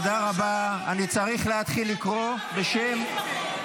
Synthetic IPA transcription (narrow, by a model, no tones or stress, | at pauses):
d̪aʁabaanit͡saʁiχleat̪χilːikʁo̞be̞ʃem